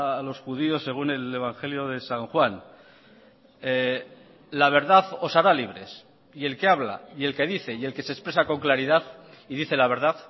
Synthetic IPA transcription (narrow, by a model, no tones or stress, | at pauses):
lo̞sxuðio̞sːe̞ɣ̞une̞le̞β̞aŋxe̞ljo̞ðe̞saŋxwan | laβ̞e̞ɾðaθo̞saɾaliβ̞ɾe̞̰s | ie̞lke̞aβla̰ie̞lke̞ðiθe̞je̞lke̞sespɾe̞sako̞ŋklaɾiðaθ | iðiθe̞laβe̞ɾð̞aθ